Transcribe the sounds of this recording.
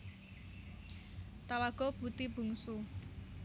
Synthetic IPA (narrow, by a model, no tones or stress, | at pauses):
t̪awaɡ̥ɔ̤b̥ṳt̪ib̥ṳŋsu